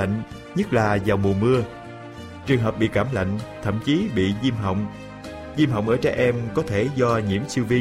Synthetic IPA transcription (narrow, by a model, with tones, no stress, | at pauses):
a̰˧˨ŋ̟ | ɲə˦˥t̚laː˨˩zaː˨˩wmu˨˩əmɨ˧ə | t͡ɕɨ˨˩əŋɦəː˨˩p̚ɓḭ˧˨kaː˧˩mla̰˧˨jŋ̟t̪ʰə̰˧˨mt͡ɕi˨˦ɓḭ˧˨zi˧mɦa̰˧˨wŋ͡m | zi˧mɦa̰˧˨wŋ͡mʔəː˧˩t͡ɕɛ˧˩ʔɛ˧mkɔ˨˦t̪ʰe˧˩zɔ˧ɲi˧˩əmsi˧wvi˧